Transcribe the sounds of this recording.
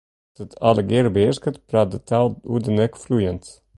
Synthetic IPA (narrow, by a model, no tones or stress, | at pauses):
d̥ət̪ʰɑləɡeɾbeskət̪pɾaːt̪̚d̪ət̪ʰalˠṵd̪ənɛkflujənt̪